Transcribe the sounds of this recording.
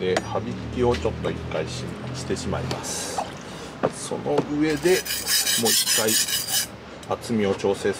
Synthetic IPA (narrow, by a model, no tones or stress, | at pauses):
e̞habʲikʲio̞t͡ɕo̞t̪ːo̞ikːai | ɕi̥t̪e̞ɕima̰ima̰sɨ̥ | so̞̰no̞ɯ̟e̞d̪e̞mo̞ːikːai | at͡sɨmʲio̞t͡ɕo̞ːse̞ː